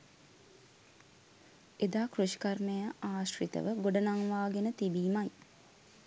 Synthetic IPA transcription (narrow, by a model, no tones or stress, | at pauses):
ed̪aːkruʃi̥karmejəaːʃrit̪ə̰ʋəɡoɖənaŋʋaːɡenət̪ibiːmaj